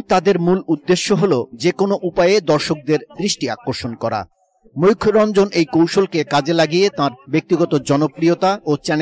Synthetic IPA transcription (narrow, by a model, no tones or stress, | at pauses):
ŋt̪ãd̪eɾmulud̪ːeʃːoɦolod͡ʑekonoʔupaeed̪ɔɾʃok̚d̪eɾd̪ɾiʃʈia̰kːoɾʃonkɔɾa̰ | mojkʰɾɔnd͡ʑonʔejkowʃolkekãd͡ʑelaɡijet̪ãɾbek̚t̪iɡɔt̪od͡ʑɔnopɾiot̪aot͡ɕɛn